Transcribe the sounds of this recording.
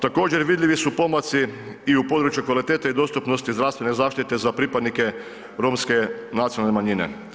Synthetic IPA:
t̪ako̞ːd͡ʑeɾʋid̪ʲʎʲiʋisupo̞mot̪si | iupo̞d̪ɾut͡ʃjukʋalit̪eːt̪aid̪o̞ːst̪upno̞st̪izd̪ɾaʋst̪ʋe̞nezaːʃt̪it̪e̞zapɾipad̪nike | ɾoːmske̞nat̪ionalnemaɲinḛ

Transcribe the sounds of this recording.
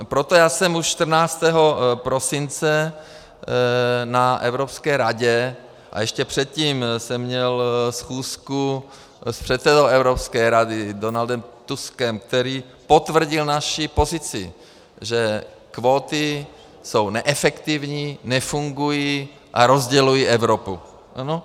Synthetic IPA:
pɾot̪ojaːsɛmuʃʃt̪r̩naːt͡st̪ɛɦo̞pɾosɪnt͡sɛ | naʔɛvɾopskɛːɾaɟɛ | ʔa̰jɛʃcɛpr̝̥ɛt̪̚ciːmsɛmːɲɛlsxuːsku | spr̝̥ɛt̪sɛdowɛvɾopskɛːɾadɪdonald̪ɛmt̪uskɛmk̚t̪ɛɾiː | po̞t̪vr̩ɟɪlnaʃipo̞zɪt͡sɪ | ʒɛ | kvoːt̪ɪ | sownɛʔɛfɛkt̪ivɲiːnɛfuŋɡuji | ʔa̰ɾozɟɛlujiʔɛvɾopu | ʔano

